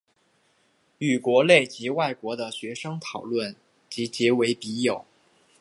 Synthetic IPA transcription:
y˨˩kwɔ˧˥le˥˩ɪt͡ɕi˧˥wa˥˩ɪkwɔ˧˥d̪ə˧ɕɥɛ˧˥ʂɤ˥ŋt̪ʰɑ˨˩ʊlwə˥˩n | t͡ɕi˧˥t͡ɕjɛ˧˥we˧˥ɪpi˧˥jo˨˩˦ʊ

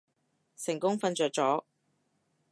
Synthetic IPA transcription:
sɪ˨˩ŋkʊ˥ŋfɐ˧nt͡ʃœː˨k̚t͡sɔː˨˥

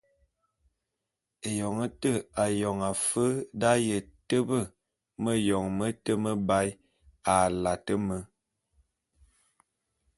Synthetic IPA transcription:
e˨jɔ˨ŋə˦tə˦˨a˨jɔ˨ŋa˨fə˦da˦jə˨tə˦bə˦˨ | mə˦jɔ˨ŋmə˦tə˦mə˦ba˦j | a˨la˨tə˦mə˦

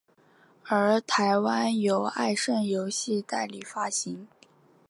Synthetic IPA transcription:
ə˞˧˥t̪ʰa˧˥ɪwa˥njo˨˩ʊa˥˧ɪʂə˥˩njo˧˥ʊɕi˥˧t̪a˥˩ɪli˨˩fa˥ɕi˧˥ŋ

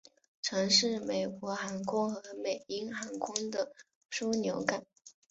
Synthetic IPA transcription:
ʈ͡ʂʰɤ˧˥ŋʂɻ̩˥˩me˨˩ɪkwɔ˧˥xa˧˥nkʰʊ˥ŋxɤ˧˥me˨˩ɪi˥nxa˧˥nkʰʊ˥ŋd̪ə˨ | ʂu˥njo˧˥ʊka˨˩˦

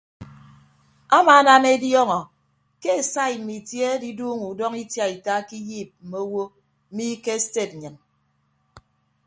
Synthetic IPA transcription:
a˦maː˨a˦na˦ne˦djɔ˦ŋɔ˨ | ke˦e˨sa˦i˨m̩˨mi˨tje˦di˦duː˦ŋu˨dɔ˦ŋi˦tja˨i˨taː˦ki˦jiː˦˨p̚m̩˨mo˦wo˦ | m̩˦mi˦ke˦ste˨t̚ɲɨ˨n

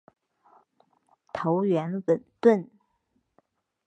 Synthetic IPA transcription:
t̪ʰo˧˥ʊɥɛ˧˥nwə˨˩nt̪ə˥˩n

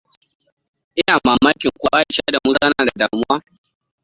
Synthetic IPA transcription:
ʔɪ˦naː˨maː˨maː˦kʲɪ˨ŋkʷo˦a˦˨ʃaː˦da˨mʊ˦sa˦naː˨da˨daː˨mʊ˦waː˦

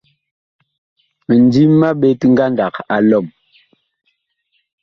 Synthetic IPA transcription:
mə˨n˦di˦mː˦a˦ɓe˦ti˦ŋ˦ɡa˦nda˨ka˨lɔ˦˨m

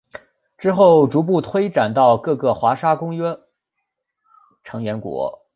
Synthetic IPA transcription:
ʈ͡ʂɻ̩˥xo˥˩ʊʈ͡ʂu˧˥p̬u˥˩t̪ʰwe˥ɪʈ͡ʂa˨˩nt̪ɑ˥˧ʊkɤ˥˧kɤ˥˩xwa˧˥ʂa˥kʊ˥ŋɥɛ˥ | ʈ͡ʂʰɤ˧˥ŋɥɛ˧˥nkwɔ̰˧˥

